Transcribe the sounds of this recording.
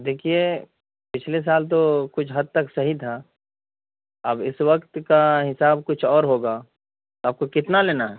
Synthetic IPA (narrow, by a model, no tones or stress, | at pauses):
d̪eːkʰie | pɪt͡ʃʰles̬aːlt̪̬okʊt͡ʃʰɦɐd̪̚t̪ɐksɐɦit̪ʰa | ɐbɪswɐkt̪kaɦɪsaːb̚kʊt͡ʃʰɔːɾɦoːɡaː | aːp̚kokɪt̪naleːnaɦɛ